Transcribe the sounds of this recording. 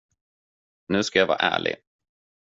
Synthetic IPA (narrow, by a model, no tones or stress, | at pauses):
nʉ̟ːskajavɑ̰ːɾʔæːɭɪ̰